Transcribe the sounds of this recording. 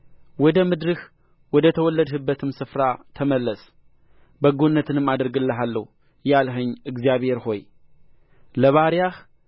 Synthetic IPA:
wɔd̪əmɨd̪ɾɨh | wɔd̪ət̪ʰəwɔlːəd̪hɨbːət̪ʰɨmsɨfɾat̪ʰəməlːəs | bəɡonːət̪ʰɨnɨmːad̪ɨɾɡɨlːəɦalːəhu | jalɦəɲːɨɡzijaβhe̞ɾho̞j | ləβaɾjah

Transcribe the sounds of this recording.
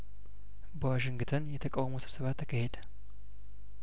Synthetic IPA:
bəwaʃɪŋɡɨt̪ʰənjɛt̪ʰəkʼawməsɨβsəβat̪ʰːəkʰəhed̪ə

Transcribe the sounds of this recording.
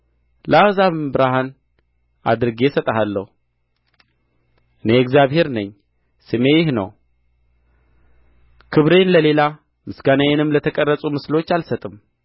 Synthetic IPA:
ləazaβɨmbɨɾahan | a̰d̪ɨɾɨɡe̞sət̪ʼəɦalːə̰hu | ʔɨne̞ɛkzjaβhe̞ɾnəɲː | sɨme̞jɪhnə̰w | kʰɨβɾe̞nləle̞la | mɨsɡanajenɨmlət̪ʰəkʼərːəsʼumɨslo̞t͡ʃːalsət̪ʼɨm

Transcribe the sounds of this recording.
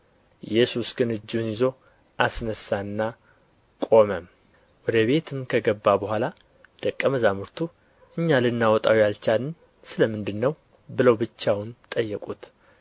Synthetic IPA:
jɛsusɡɨnɨd͡ʒːnjɪzo̞ | ʔasnəsanːa | kʼo̞məm | wɔd̪əβe̞t̪ʰɨmkʰəɡəbːabəhʷala | d̪̥əkʼːəməzamɨɾt̪ʰu | ʔɨɲːalɨnːawɔt̪ʼawijalt͡ʃalɨn | sɨləmɨnd̪ɨnːəw | bɨləwbɨt͡ʃːawnt̪ʼəjːɛkʼut̪

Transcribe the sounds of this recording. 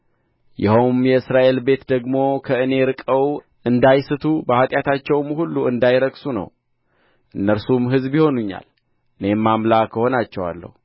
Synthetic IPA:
jɪhəwmjɛɨsɾaʔe̞lbe̞t̪d̪əɡmo̞kʰəɨne̞ɾɨkʼəw | ʔɨnd̪ajsɨt̪ʰubəhat̪ʼjat̪ʰat͡ʃːɛwmhulːuɨnd̪ajɾəksunə̰w | ʔɨnːəɾsumɦɨzbiho̞nuɲːa̰l | ʔɨne̞mːamlakʰːəho̞nat͡ʃːɛwa̰lːə̰hu

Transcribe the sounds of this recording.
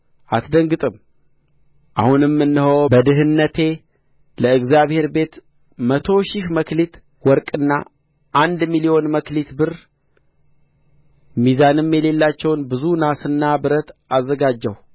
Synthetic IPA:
ʔat̪d̪əŋɡɨt̪ʼɨm | ʔa̰hunɨmːɨnːɨhəwbəd̪ɨɦɨnːət̪ʰe̞ | ləɨɡzjaβhe̞ɾbe̞t̪ | mət̪ʰo̞ʃiʃməklit̪ | wɔɾkʼɨnːa̰ | ʔand̪milijo̞nməklit̪bɨr | mizanɨmjɛle̞lːat͡ʃːɛwnbɨzunasɨnːabɨɾət̪azːəɡad͡ʒːɛw

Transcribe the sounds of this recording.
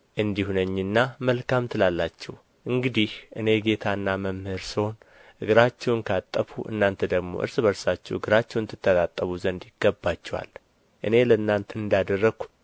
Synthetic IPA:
ʔɨnd̪ihunəɲːɨnːaməlkamt̪ʰɨlalːat͡ʃːɛw | ʔɨŋɡɨd̪ihʔɨne̞ɡe̞t̪ʰanːaməmhɨɾsiho̞n | ɨɡɨɾat͡ʃːɛwnkʰat̪ʼːəfuʔɨ̰nːant̪ʰəd̪əɡmo̞̰ʔɨ̰ɾsɨbəɾsat͡ʃːɛwɨɡɨɾat͡ʃːɛwɨnt̪ʰːɨt̪ʰːət̪ʼat̪ʼːəβuzənd̪jɪɡ̥ːəbːat͡ʃːɛwa̰l | ʔɨne̞ləɨnːant̪ʰəɨnd̪ad̪ərːəɡu̥

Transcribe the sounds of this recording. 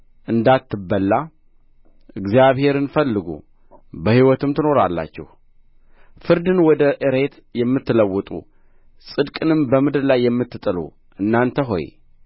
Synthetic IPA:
ʔɨnd̪at̪ːɨbːəlːa | ʔɨɡzijaβhe̞ɾɨnfəlːɨɡṵ | bəhiwɔt̪ɨmt̪ʰɨno̞ɾalːa̰t͡ʃːɛ̰h | fɨɾd̪ɨnwɔd̪əʔɨɾe̞t̪ | jɛmːɨt̪ːɨləwːɔt̪ʼṵ | sʼɨd̪kʼɨnɨmbəmɨd̪ɾlajːɛmːɨt̪ːɨt̪ʼɨlṵ | ʔɨnːant̪ʰəɦo̞̰j

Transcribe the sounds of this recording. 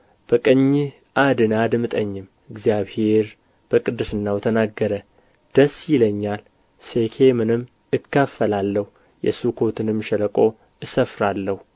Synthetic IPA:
b̥əkʼəɲːɪ | ʔad̪ɨnad̪mɨt̪ʼəɲːɪm | ɨɡzjaβheɾ | b̥əkʼɨd̪ɨsɨnːawt̪ʰənaɡːəɾə | d̪̥əsːjɪləɲːal | sekʰemɨnɨmː | ɨkːəfːəlalːəhu | jɛ̰sukʰo̞t̪ʰɨnɨmʃɛləkʼo̞ | ɨsəfɾalːəhu

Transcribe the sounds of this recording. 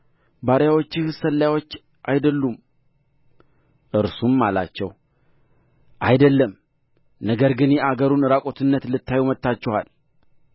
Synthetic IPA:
baɾjawot͡ʃːɪhsəlːajawo̞t͡ʃː | ʔajd̪əlːum | ʔɨɾsumːala̰t͡ʃːɛ̰w | ʔajd̪əlːəm | nəɡəɾɡɨnjeʔaɡəɾunɨɾakʼo̞t̪ʰɨnːət̪lɨt̪ʰːajumət̪ːat͡ʃːɛhal

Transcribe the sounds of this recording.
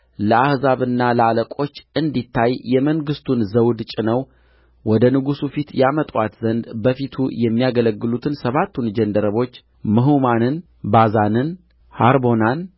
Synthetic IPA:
ləahzaβɨnːaləaləkʼo̞t͡ʃːɨnd̪it̪ʰːajːɛməŋɡɨst̪ʰunzəwd̪t͡ʃʼɪnəw | wɔd̪ənɨɡusufit̪jamət̪ʼwat̪zənd̪bəfit̪ʰṵjɛmːijaɡələɡːɨlut̪ʰɨnsəβat̪ʰːund͡ʒɛnd̪əɾəβo̞t͡ʃː | mɨɦumanɨn | bazanɨn | haɾbo̞nan

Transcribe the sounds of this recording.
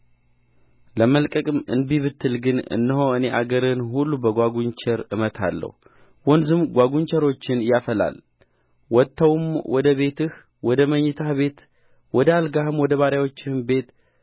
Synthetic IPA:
ləməlkʼəkʼɨmɨ̰nbiβɨt̪ːɨlɡɨnɨ̰nːəhoɨne̞ʔaɡəɾɨnhulːubəɡʷaɡuɲt͡ʃɛɾɨmət̪ʰa̰lːə̰hu | wɔnzɨmɡʷaɡuɲt͡ʃɛɾo̞t͡ʃːɪnjafəla̰l | wɔt̪ʰːəwmwɔd̪əβe̞t̪ɨh | wɔd̪əməɲːɪt̪ʰahβe̞t̪ | wɔd̪əalɡahɨmwɔd̪əβaɾjawo̞t͡ʃːɪnbe̞t̪

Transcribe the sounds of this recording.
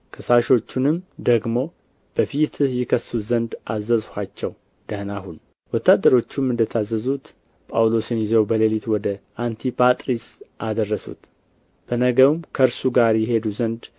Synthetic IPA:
kʰəsaʃo̞t͡ʃːunɨmd̪əɡmo̞ | b̥əfit̪ʰjɪkʰəsːuzənd̪ʔazːəzhat͡ʃːɛw | d̪̥əhnahun | wɔt̪ːad̪ːəɾo̞t͡ʃːumɨnd̪ət̪ʰazːəzut̪ | pʼawlo̞sɨnjɪzəwbəlelit̪wɔd̪əʔant̪ʰipʰat̪ʼɾisʔad̪ərːəsṵt̪ | b̥ənəɡəwmkʰəɾsuɡaɾjɛɦe̞d̪uzənd̪

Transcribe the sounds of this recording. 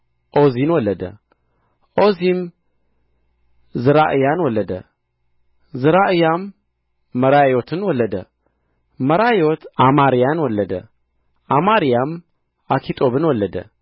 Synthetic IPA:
ʔozinwɔlːəd̪ə̰ | ʔozim | zɨɾaʔɨjanwɔlːəd̪ə̰ | zɨɾaʔɨjamː | əɾajot̪ʰɨnwɔlːəd̪ə̰ | məɾajot̪ʰʔamaɾijanwɔlːəd̪ə̰ | ʔamaɾijam | ʔakʰit̪ʼobɨnwɔlːəd̪ə̰

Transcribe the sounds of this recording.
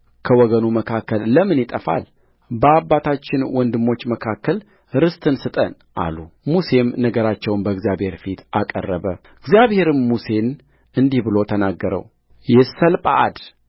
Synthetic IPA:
kʰəwɔɡənuməkʰakːəlːəmɨnjɪt̪ʼəfa̰l | bəabːat̪ʰat͡ʃːɪnwɔnd̪ɨmːo̞t͡ʃːməkʰakːəl | ɾɨst̪ʰʼɨnsɨt̪ʼən | ʔa̰lumuse̞mnəɡəɾat͡ʃːɛwnbəɡzijabhe̞ɾfit̪ʰakʼə̰rːəβə | ɨɡzijaβhe̞ɾɨmːuse̞n | ɨnd̪ihbɨlo̞t̪ʰənaɡːəɾə̰w | jɛsəlpʼa̰ʔa̰d̪

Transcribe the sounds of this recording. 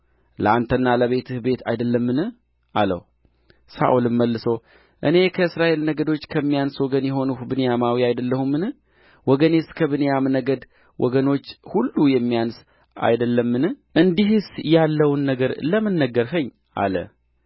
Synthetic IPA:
lə̰ant̪ʰənːaləβe̞t̪ʰɨhbe̞t̪ʰa̰jd̪əlːəmːɨnɨh | ʔa̰lə̰w | sa̰ʔulɨmmːəlːɨsəw | ʔɨne̞kʰəɨsɾaʔe̞lnəɡəd̪o̞t͡ʃːkʰəmːijanswɔɡənjɛɦo̞nubɨnjamawiajd̪əlːəhumːɨnɨ | wɔɡəneskʰəβɨnjamnəɡəd̪ | wʔɔɡəno̞t͡ʃːhulːujɛmːijans | a̰jd̪əlːəmːɨnɨʔɨnd̪iɦsjalːəwnːəɡəɾləmənːəɡəɾɦəɲː | ʔa̰lə̰

